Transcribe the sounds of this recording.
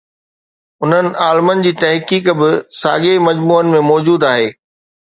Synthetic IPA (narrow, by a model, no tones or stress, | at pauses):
ʊn̤ənɪ̆ʔaːlmənɪ̆d͡ʑiːt̪ɐɦkiːkbɪsa̰ːɠemɐd͡ʑmuːənɪ̆mẽmɔːd͡ʑuːd̪aːɦeː